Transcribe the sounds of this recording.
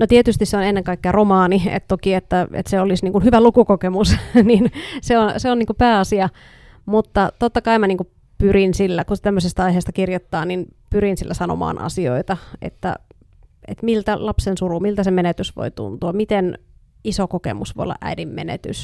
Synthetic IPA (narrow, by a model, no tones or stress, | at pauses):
not̪iet̪yst̪isseonenːeŋkɑikːeɑromɑːniḛt̪t̪okiet̪ːæḛt̪seolisniːŋkunhyʋælukukokemusninseonseoniːŋkupæːɑsiɑ | mut̪ːɑt̪ot̪ːɑkɑimɑniːŋku | pyrinsilːækut̪æmːøsest̪æɑiɦeːst̪ɑ̥kirjot̪ːɑːninpyɾinsilːæsɑno̰mɑ̰ːnʔɑ̰sio̰it̪ɑḛt̪ːæ̰ | ḛt̪milt̪ælɑpsensurumilt̪æsemenet̪ysʋo̰it̪ṵnt̪uɑmit̪en | isokokḛmusʋo̰jo̰ːɑʔæ̰idimmḛnḛt̪y̰s